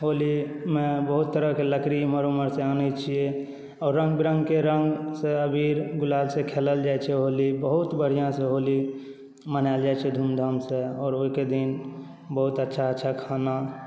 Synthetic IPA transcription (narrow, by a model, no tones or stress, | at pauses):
ɦolimẽbəɦut̪ːəɾəkeləkɾiməɾoməɾsẽanət͡ʃʰijɛ | ɔːɾːə̃ŋɡbiɾə̃ŋɡkeɾə̃ŋɡsẽəbʱiɾɡulalsẽkʰeləld͡ʒajt͡ʃʰɛɦolibəɦut̪bəɽ̤ijãsẽɦoli | mənald͡ʒajt͡ʃʰɛd̪ʱumd̪ʱəmsẽɔːɾoɦiked̪in | bəɦut̪ətːʃʰaətːʃʰakʰana